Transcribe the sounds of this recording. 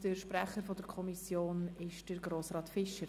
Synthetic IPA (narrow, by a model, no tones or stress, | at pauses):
d̥əɾʃpɾæχəɾfɔdəɾkʰɔmisjoːnɪʃd̥əɾɡɾoːsɾɑːtfɪʃəɾ